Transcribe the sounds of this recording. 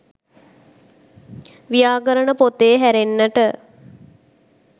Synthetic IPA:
ʋijaːɡəɾənəpot̪eːɦæɾenːəʈə

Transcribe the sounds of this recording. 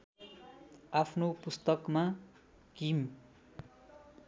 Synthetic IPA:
apʰnopust̪ʌkma | kim

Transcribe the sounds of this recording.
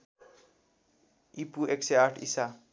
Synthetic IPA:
ipuekseaʈʰisa

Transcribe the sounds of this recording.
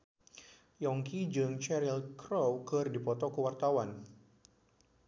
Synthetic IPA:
jɔŋkid͡ʒɨŋt͡ʃɛɾilkɾowkɨrdipɔt̪ɔkəwart̪awan

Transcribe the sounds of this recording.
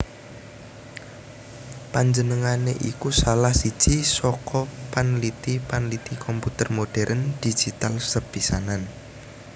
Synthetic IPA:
paɲd͡ʒənəŋaneʔikusalahsid̥ʒ̥isɔkʰɔpanlit̪ipanlit̪ikɔmput̪ərmoɖ̥ɛɾʔənd̪̥i̥d͡ʒ̥it̪alsəb̥isanan

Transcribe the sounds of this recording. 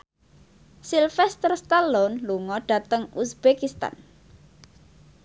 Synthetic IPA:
silfɛst̪ərst̪alonluŋɔɖ̥ä̤t̪əŋusbekist̪a̰n

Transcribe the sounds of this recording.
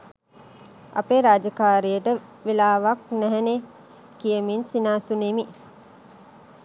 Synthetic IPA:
ɐ̰peːɾaːd͡ʒəkaːɾijəʈə | ʋilaːʋak̚næɦɛne | kijəminsinaːsunemi

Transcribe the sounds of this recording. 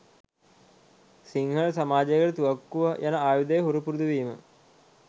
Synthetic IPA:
siŋhɐɭsɐmaːd͡ʑɐɣɐɭt̪uʋɐkːuʋɐjʔɐnɐʔaːjud̪ɐjɦuɾupuɾud̪uʋiːmə̰

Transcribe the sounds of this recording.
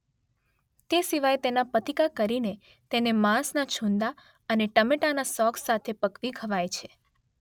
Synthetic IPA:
t̪esiʋajt̪enapət̪ikakəɾine | t̪enemãsnat͡ʃʰũnd̪a | əneʈəmeʈanasɔkʰsat̪ʰepəkʋiɡʱəʋajt͡ʃʰe

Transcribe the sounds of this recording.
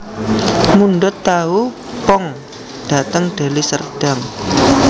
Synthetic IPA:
munɖʊt̪ːau | pɔŋ | ɖ̥a̤t̪əŋɖ̥a̤lisərd̥a̤ŋ

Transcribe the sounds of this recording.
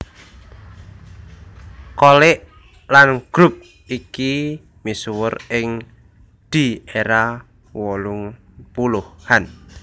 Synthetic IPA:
kolɪʔ | lanɡ̥ɾʊp̚ | iki | miswərɪŋ | d̪̥i̤eɾa | wɔlʊŋpulʊhhan

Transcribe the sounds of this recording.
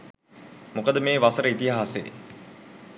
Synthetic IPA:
mukəd̪əmeːʋasəɾəit̪iɦaaːsḛː

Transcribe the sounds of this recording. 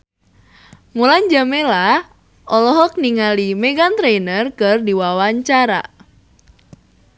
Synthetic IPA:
mulaɲd͡ʒamela | ʔɔlɔɦɔk̚niŋalimɛɡant̪ɾenərkɨrdiwawaɲt͡ʃaɾa̰

